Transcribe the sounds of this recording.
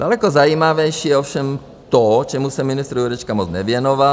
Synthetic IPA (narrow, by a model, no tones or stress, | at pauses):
d̥alɛkozajiːmavɛjʃiːjɛofʃɛm | t̪ot͡ʃɛmusɛmɪnɪst̪ɾuuɾɛt͡ʃkamot͡snɛvjɛnova